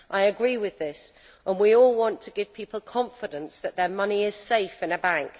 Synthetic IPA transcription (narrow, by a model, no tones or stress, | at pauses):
ʔaɪəɡɹiːwɪðɪs | ʔə̃nwiɔlˠwɒ̃ntʰəɡɪv̥pʰiˑpəl̩ˠkʰɒ̃ɱfɪdə̃nsðəʔðəmʌniɪz̥seɪfɪ̃nəbãŋk